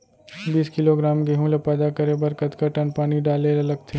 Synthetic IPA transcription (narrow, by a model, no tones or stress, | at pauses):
biːskɪloɡɾaːmɡeɦũlapɛːd̪akəɾebɐɾkət̪kəʈənpaːniɖaːleɐlɐɡ̚t̪ʰe